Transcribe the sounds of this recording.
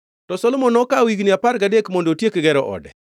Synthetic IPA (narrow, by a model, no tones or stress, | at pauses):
tɔsɔlɔmɔnɔkawiɡnɪapaɾɡadekmondotjekɡɛɾɔʔɔ̰dɛ̰